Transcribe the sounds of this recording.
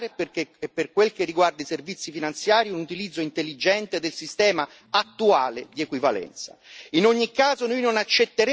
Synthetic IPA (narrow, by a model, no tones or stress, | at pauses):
ɾepepːerkwelkerːiɡward̪iservit̪sːifinant̪sjaːɾiunut̪ilid̪zːoint̪elːid͡ʒɛnt̪ed̪elsist̪ɛːma | at̪ːuaːled̪iekwivalɛ̰nt̪sa̰inoɲːikːaːzonojnonat͡ʃːet̪ːeɾ